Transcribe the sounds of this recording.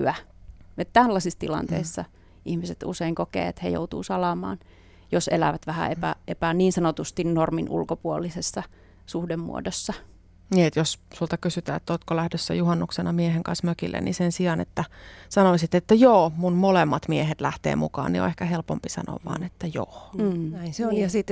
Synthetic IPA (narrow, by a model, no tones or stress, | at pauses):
æet̪t̪ælːæsist̪ilɑ̰nt̪ḛisːɑ | ihmiset̪ṵseiŋkokḛːḛt̪hḛjo̰ut̪ṵːsɑlɑmɑ̰ːn | josḛlæ̰ʋæt̪ʋæhæ̰epæ̰ʔepæniːnsɑnot̪ust̪innorminʔṵlkopuolːisesːɑ | suhdemmṵo̰dosːɑ | niːet̪jossult̪ɑkysyt̪æːḛt̪ːoːt̪̚kolæhdøsːæ̰juhɑnːuksenɑmieheŋkɑnsmøkilːʔḛnḭsensiɑnet̪ːæsɑnoisit̪ːet̪ːæjoːmunmolemːɑt̪miehet̪læht̪ḛːmukɑ̰ːnnio̰ehkæhelpompisɑ̰no̰ʋʋɑ̰ːnet̪ːæjo̰ːnæiseojɑsit̪ː